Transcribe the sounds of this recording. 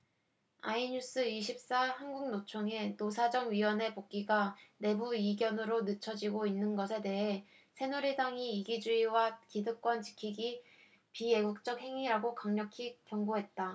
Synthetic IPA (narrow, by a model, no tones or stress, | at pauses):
a̰iɲus͈ɯiɕʰip̚s͈ahanɡuŋnot͡ɕʰoŋe̞tos̬ʰad͡ʑʌŋɥiwʌne̞pok͈iɡane̞buiɡjʌnɯɾonɯt͡ɕʰʌd͡ʑiɡoinːɯnɡʌsʰe̞de̞ɦe̞ | sʰe̞nuɾidaŋiːɡid͡ʑuiwakidɯk͈wʌnt͡ɕi̥kʰiɡi | pije̞ɡuk̚t͡ɕ͈ʌk̚he̞ŋiɾaɡokaŋɲʌkʰikjʌŋɡoɦe̞t̚t͈a